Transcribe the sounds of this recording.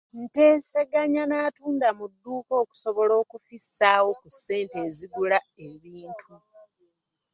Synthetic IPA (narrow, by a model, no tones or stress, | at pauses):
n̩te̞ːse̞ɡaɲanaːtuːndamudːuːko̞ːku̥so̞βo̞lo̞ːkufisːaːwo̞kusːe̞ːnte̞ːziɡula | e̞βiːntʰu